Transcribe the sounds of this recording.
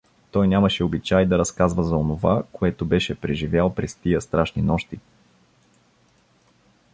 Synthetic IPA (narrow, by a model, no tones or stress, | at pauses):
t̪ɔjnʲamɐʃɛobit͡ʃajd̪ɐɾɐskazvɐzɐonovakoɛt̪ʊbɛʃɛpɾɛʒivjalˠpɾɛst̪iəst̪ɾaʃninɔʃt̪i